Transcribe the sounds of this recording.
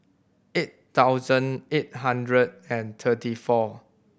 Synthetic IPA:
et | taʊzə̃net̚ɦãndɹəd̚ɛ̃nt̪ʰətifɔ

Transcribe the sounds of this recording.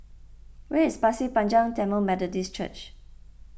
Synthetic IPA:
wɛɪspasipãnd͡ʒãŋtɛmomɛdədist͡ʃə̰t͡ʃ

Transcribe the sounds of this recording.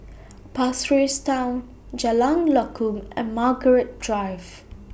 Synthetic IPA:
pasɹistãʊ̃n | d͡ʒalãŋlɔkʰũmɛ̰̃nmaɡəɹɪt̚d̥ɹaɪv̥

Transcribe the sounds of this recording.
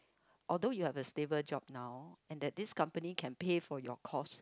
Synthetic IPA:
ʔɔldojuhɛvəstevəd͡ʒɔ̰p̚nawɛ̃ndɛt̚diskãmpənikʰɛ̃npefɔjɔkʰɔs

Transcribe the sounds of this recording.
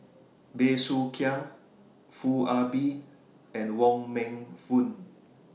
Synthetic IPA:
besukʰiã | fuabi | ɛ̃nwɔ̃ŋmɛ̃ŋfũn

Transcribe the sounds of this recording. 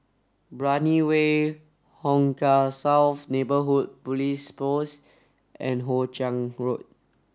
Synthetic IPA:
bɹaniwe | hɔ̃ŋkasawθnebəɦut̚pulispos | ʔɛ̃nɦot͡ʃãŋɹot̚

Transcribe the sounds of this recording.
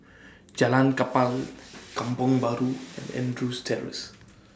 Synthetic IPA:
d͡ʒalankapalkãmpɔŋbaɾuɛ̰̃nɛ̰̃ndɾustʰɛɹɪ̰s

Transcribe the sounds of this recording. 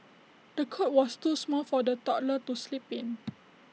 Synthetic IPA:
d̥əkʰɔt̚wɔstusmɔlfɔdətɔʔlətuslipĩn

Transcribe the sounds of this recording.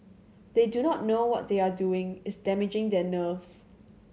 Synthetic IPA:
d̥edunɔtnowɔt̚d̪eaduɪ̃ŋɪsdɛmɪd͡ʒɪ̃ŋdɛnəvs

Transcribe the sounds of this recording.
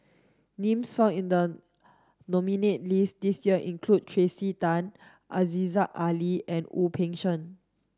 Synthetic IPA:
nẽmsfãʊ̃nĩndə | nɔminet̚listdisjiəʔĩnkʰlud̚tʰɹesitãn | ʔazizakaliɛ̃nupʰɛ̃ŋʃə̃n

